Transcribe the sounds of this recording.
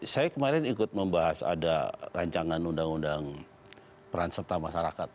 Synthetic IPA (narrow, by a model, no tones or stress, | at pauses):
sajakəmaɾɛnikʊt̪̚məmbaɦasa̰daraɲt͡ʃaŋanundaŋundaŋ | pəɾansərt̪amaʃaɾakat̪̚